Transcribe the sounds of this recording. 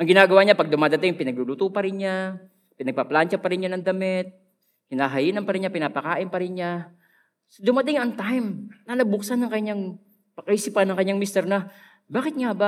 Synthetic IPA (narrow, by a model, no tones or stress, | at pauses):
ʔɐŋɡɪnaːɡɐwaɲapɐɡ̚d̪ʊmaːd̪ɐt̪ɪŋpɪnɐɡ̚lulut̪upɐɾɪnɲa | pɪnɐɡ̚pɐplant͡ʃapɐɾɪnɲanɐŋd̪ɐmɪt̪̚ | kɪnaɦɐjɪnɐnpɐɾɪnɲɲapɪnaːpɐkaːʔɪnpɐɾɪnɲa | d̪ʊmad̪ɪŋʔɐŋt̪ajmlaːlɐɡ̚bʊksanɐŋkɐɲːaŋ | pɐkɐʔiːsipɐnːɐŋkɐɲːaŋmist̪ɛɾnɐ | baːkɪt̪̚ŋaba